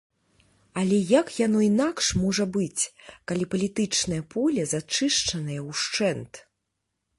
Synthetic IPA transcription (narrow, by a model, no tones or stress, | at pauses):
ɐlʲɛjakjanɔinakʂmɔʐɐbɨt͡sʲkalʲipɐlʲit̪ɨt͡ʂnɐjɐpʰɔlʲɐzat͡ʂɨʂt͡ʂɐnɐjɐwʂt͡ʂɛnt̪